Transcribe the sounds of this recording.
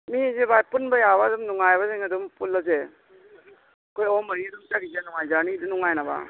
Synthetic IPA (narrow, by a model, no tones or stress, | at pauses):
mizebajpunbajabadumnuŋajβazeŋɐdumpulːɔze | kojɔmɐɾidumt͡ʃaɡizenuŋajzanidunuŋajnaba̰